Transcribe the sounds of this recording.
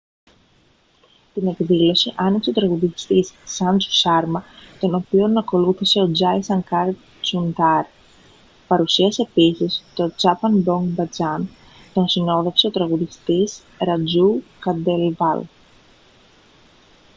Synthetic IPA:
t̪ine̞kðilo̞siʔɐnikse̞o̞t̪ɾɐɣuðist̪isːɐnt͡su̥sɐɾmɐt̪o̞no̞pio̞nːɐko̞luθise̞o̞d͡zɐjsɐŋkɐɾt̪ | t͡sund̪ɐɾ | pɐɾusiɐse̞ːpisist̪o̞t͡sɐpɐnbo̞ŋɡbɐd͡zɐn | t̪o̞nsino̞ðe̞fse̞o̞t̪ɾɐɣuðist̪is | ɾɐd͡zukɐd̪elvɐl

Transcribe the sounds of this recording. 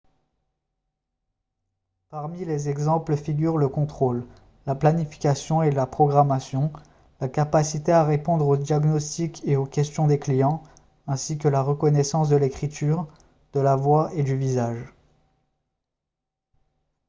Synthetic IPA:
paʁmilezɛɡzɑ̃pləfiɡʲyʁləkɔ̃t̪χolː | aplanifi̥kʲasjɔ̃elapχɔɡʁamasjɔ̃ | lakapasit̪eaʁepɔ̃d̪ʁod̪jaɡnɔst̪ikʰeokʲɛst̪jɔ̃d̪eklijɑ̃ | ɛ̃sik̬əlaʁəkɔnɛsɑ̃s̬d̪əlekχit̪ʰyʁ | d̪̥əlavwaed̪yvizaʒ

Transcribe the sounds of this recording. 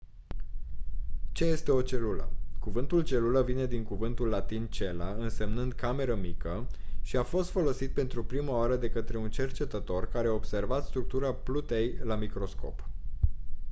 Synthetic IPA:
t͡ʃe̞je̞st̪e̞o̞t͡ʃe̞lulə̰kuvɨnt̪ult͡ʃe̞luləvine̞d̪iŋkuvɨnt̪ulːat̪int͡ʃe̞laɨnse̞mnɨnd̪̚kame̞ɾəmikəʃiafo̞st̪fo̞lo̞sit̪̚pe̞nt̪ɾupɾimaaɾəd̪e̞kət̪ɾe̞unt͡ʃe̞rt͡ʃe̞t̪ət̪o̞rkaɾeaobse̞rvat̪st̪ɾuk̚t̪uɾaplut̪e̞jlamikɾo̞sko̞̰p

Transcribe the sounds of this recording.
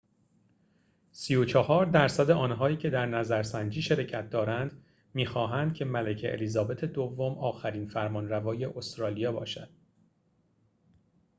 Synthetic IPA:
siːot͡ʃʰɒhɒːɾd̪æɾsæd̪eʔɒːnɦɒːiːcʰe̞d̪æɾnæzæɾsænd͡ʒiːʃe̞ɾecʰæt̪̚ʰd̪ɒːɾænd̪ | miːxɒːɦænd̪̚cʰe̞mælecʰḛʔḛliːzɒːbe̞t̪ʰe̞d̪ovːo̞mɒːxæɾiːnfæɾmɒːnɾævɒːje̞ʔost̪ɾɒːlijɒːbɒːʃæd̪̥̚

